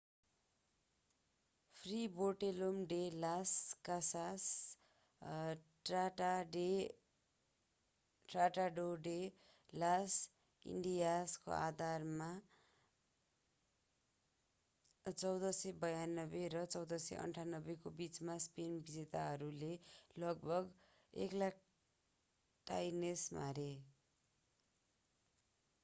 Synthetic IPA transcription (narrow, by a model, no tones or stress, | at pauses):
pʰriboʈelomɖelaskasas | aʈaɖe | ʈraʈaɖoɖe | las | ḭɳɖijasko̰ʔa̰d̪ʱarma | t͡sʌwd̪ʌsebʌjanːʌbeɾʌt͡sʌwd̪ʌsḛʔʌ̰ɳʈʰanːʌbekobit͡smaspenbid͡zet̪aɦʌɾulelʌɡ̚bʱʌɡ | ḛklak̚ | ʈa̰jnesma̰ɾe